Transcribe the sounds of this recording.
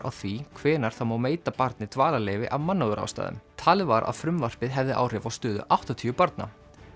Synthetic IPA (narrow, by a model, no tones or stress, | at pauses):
ʔa̰wθvikʰvɛːnaɾ̥θamawmeːjt̪apaɾt̪̚nɪt̪vaːlaleːjvɪʔavmanːaðʏɾa̰wst̪a̰ːðʏ̰mt̪ʰaːlɪvaɾʔa̰ðfɾʏmvar̥pɪðɦɛvðɪʔa̰ːwr̥ɪvawst̪ʏːðʏ̰ʔawht̪ɔt̪ʰiːʏpɔɾt̪̚na̰